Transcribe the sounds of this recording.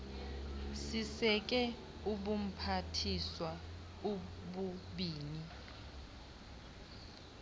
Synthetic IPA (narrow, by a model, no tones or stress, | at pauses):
sisɛk̬ʼɛ | uɓum̩pʰatʰiswa | uɓuɓiːni